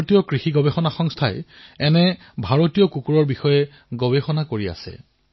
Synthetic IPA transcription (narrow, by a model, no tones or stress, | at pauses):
tijɔkɹixiɡɔbexɔnaxɔŋstʰajɛɛnɛ | bʱaɹotijɔkukuɹɔɹbixɔjɛ | ɡɔbexɔnakoɹia̰sɛ̰